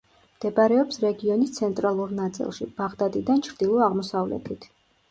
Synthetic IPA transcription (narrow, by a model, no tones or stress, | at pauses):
md̪̥ɛbaɾɛɔpsɾɛɡiɔnist̪sʰɛnt̪ʼɾalˠuɾnat̪sʼḭlˠʃḭb̥aʁd̪ad̪ʼid̪ant͡ʃʰɾd̪ilˠɔaʁmɔsavlɛ̰t̪ʰit̪ʰ